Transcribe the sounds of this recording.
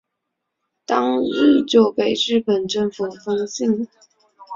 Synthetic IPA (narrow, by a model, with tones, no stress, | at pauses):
t̪ɑ˥ŋi˥˩t͡ɕjo˥˩ʊpe˥˩ɪɻɻ̩˥˩pə˨˩nʈ͡ʂə˥˩ŋfə˨˩fɤ˥ŋɕi˥˩ŋ